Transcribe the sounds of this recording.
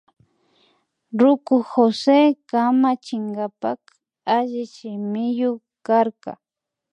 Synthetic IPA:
ɾʊkʊxosekamat͡ʃɪŋɡapak | aʒɪʃɪmɪjʊ | kaɾka̰

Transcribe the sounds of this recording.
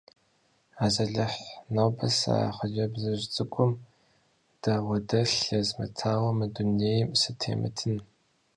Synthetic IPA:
aːzɐɮɨħnoːbɐsa̰χʷɔd͡ʒɐbzɐʒt͡sʼɨkʷʼʊm | d̥awɐdɐɬjɐzmɐ̰tʰaːwɐmɐdunejmsɨtʰḛːmɨ̰tʰɨn

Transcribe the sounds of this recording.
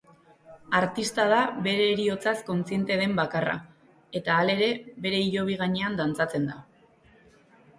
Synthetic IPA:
aɾt̪ist̪að̞aβe̞ɾe̞ːɾio̞t͡sasko̞nt͡sie̞nt̪e̞ðe̞mbakara̰ | e̞t̪aːle̞ɾe̞βe̞ɾe̞iʎo̞β̞iɣ̞aɲe̞and̪ant͡sat͡se̞nd̪a

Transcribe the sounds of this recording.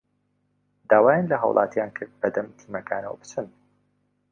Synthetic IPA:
d̪aːwaːjanlɐɦɐwlʔɑ̰ːt̪jaːnkʰɨɾd̪̚bɐd̪ɐmt̪ʰiːmɐkʰa̰ːnɐ̰wɐ̰bɨt͡ʃʰɨn

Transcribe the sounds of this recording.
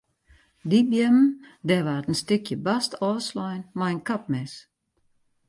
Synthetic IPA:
dibjɛmndɛʋaːətən̩stʏkʰjəbastɔːslɔjnmajənkʰap̚mɛs

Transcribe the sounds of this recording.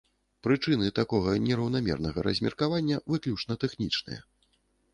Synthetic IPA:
pɾɨt͡ʂɨnɨt̪akɔɣɐnʲɛɾɐwn̪amʲɛ̰rnɐɣɐ̰ɾɐ̰zʲmʲɛrkavanʲːɐvɨklʲut͡ʂnɐt̪ɛxnʲit͡ʂnɨ̰jɐ̰

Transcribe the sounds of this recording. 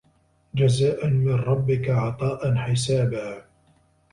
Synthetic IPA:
d͡ʒazaːʔanmɪnɾˤɑbːɪkaʕɑt̪ˤɑːʔanħɪsaːbaː

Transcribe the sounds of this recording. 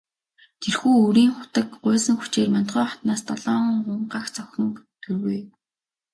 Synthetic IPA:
t̪ʰerxuːuɾiːŋχʊ̥t̪ə̆kɢʊːsə̆ŋxut͡ɕeːrman̥t̪ɢʊːχɔ̥t̪naːst̪ɔɮɔːɴʊɴɢaxt͡sœxʲɞ̆ŋt̪ɡɘ̆rɣuj

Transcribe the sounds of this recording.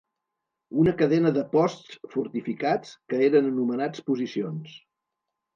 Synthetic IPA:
unəkəðɛnəðəpɔst͡sfuɾt̪ifikat͡skəeɾənənumənat͡spuzisions

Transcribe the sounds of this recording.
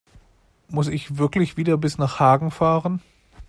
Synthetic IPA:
mʊsɪçv̥ɪɐklɪçv̥iːdɐbɪsnaːχhaːɡŋ̩faːʁən

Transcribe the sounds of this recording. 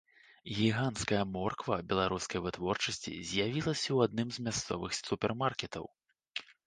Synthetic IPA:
ɣʲiɣanskɐjɐmɔrkvɐbʲɛlˠaɾuskɐjvɨt̪vɔrt͡ʂɐsʲt͡sʲḭzʲjavʲilˠɐsʲɐwad̪nɨmzmʲast̪sɔ̰vɨxt̪supʲɛrmarkʲɛt̪ɐ̰w

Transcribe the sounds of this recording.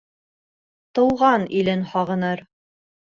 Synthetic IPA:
t̪ɤ̆wʁɑnilɘnhɑʁɤ̆nɤɾ

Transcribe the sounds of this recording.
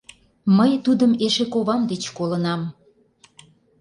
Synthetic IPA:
məjt̪ud̪əmeʃekoβɑmd̪et͡ɕkolənɑm

